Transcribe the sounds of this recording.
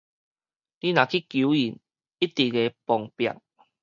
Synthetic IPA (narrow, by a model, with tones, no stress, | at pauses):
li˦nã˨˩kʰi˦kju˨˦i˨˩n | i˦t̪i˨˩ɡe˧˦pɔ˨˩ŋpja̰˨k̚